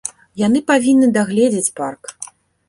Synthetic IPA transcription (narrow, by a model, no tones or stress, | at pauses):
janɨpavʲinːɨd̪aɣlʲɛd͡zʲet͡sʲpark